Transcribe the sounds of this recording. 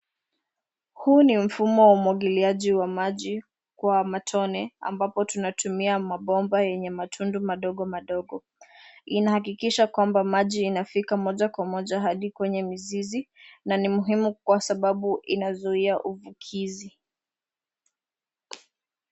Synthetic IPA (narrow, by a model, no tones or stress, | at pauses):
hunim̩fumɔwaumwaɠiliaʄiwamaʄi | kwamatʰɔnɛa̰mbapɔtunatʰumiamaɓɔmbajɛɲɛmatʰundumaɗɔɠɔmaɗɔɠɔ | inahakikiʃakwambamaʄiːnafikamɔʄakwamɔʄaɦaɗikwɛɲɛmizizinanimuɦimukwasaɓaɓuʔinazuiaʔuvukʰizi